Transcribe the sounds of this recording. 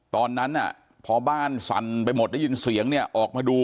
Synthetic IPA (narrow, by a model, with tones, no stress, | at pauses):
t̪ɔː˧nːa˦˥nʔa̰˨˩ | pʰɔː˧baː˥˩nsa̰˧˦npa˧jmo˨˩t̪̚lɛ˥˩jɯː˧nsi˨˩˦əŋni˥˩ɐʔɔː˨˩k̚maː˧duː˧